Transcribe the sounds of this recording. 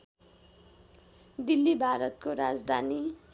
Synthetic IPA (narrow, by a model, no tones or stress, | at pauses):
d̪ilːibʱaɾʌt̪̚koɾad͡zd̪ʱani